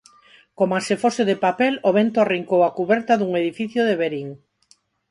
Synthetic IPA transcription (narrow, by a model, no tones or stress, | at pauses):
komasefosɪðepapɛloβ̞ent̪oariŋkowakuβɛɾt̪aðuŋeðifiθjoðeβeɾiŋ